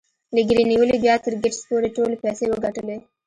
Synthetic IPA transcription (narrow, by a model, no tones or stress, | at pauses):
lɪɡɾiniwəlibjɑt̪ɪɾɡɪʈspoɾeʈolepɛsewəɡaʈəle